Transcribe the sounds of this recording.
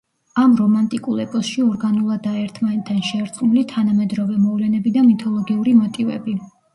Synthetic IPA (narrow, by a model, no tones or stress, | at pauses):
amɾɔmant̪ʼikʼulˠɛpʼɔsʃiɔɾɡanulˠad̪aɛɾt̪ʰmanɛt̪ʰanʃɛːɾt̪sʼmulit̪ʰanamɛd̪ɾɔvɛmɔvlɛnɛbid̪amit̪ʰɔlˠɔɡiuɾimɔt̪ʼivɛ̰bi